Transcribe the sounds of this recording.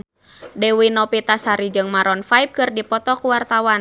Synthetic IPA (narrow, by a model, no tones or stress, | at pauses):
dɛwinɔpit̪asaɾid͡ʒɨŋmaɾɔnfaip̚kɨrdipɔt̪ɔkuwart̪awan